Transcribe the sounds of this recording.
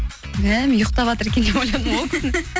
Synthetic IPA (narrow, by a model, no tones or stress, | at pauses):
mæmjoqt̪ɑpɑt̪əɾkʲend̪eojlˠɑd̪mok̪ʲʰn